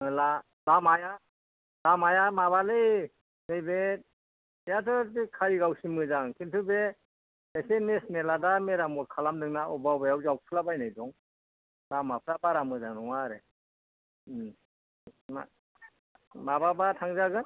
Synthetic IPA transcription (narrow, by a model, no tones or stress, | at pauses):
la | lamaja | lamajamaβalɯj | nejbe | jatʰɯkʰajɡawsimɯzaŋkʰintʰɯbe | esenesneladameɾamɔt̚kʰalamdɯŋnaɔbawbajawzawpʰɯlabajnajdɔŋ | lamapʰɾabaɾamɯzaŋɾɔŋaɾe | ma | mababatʰaŋzaɡɯn